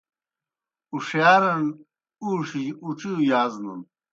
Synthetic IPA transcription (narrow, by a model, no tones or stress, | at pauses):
uʂjaːɾɐn | uːʂiuʈ͡ʂiujaːznɐ̰n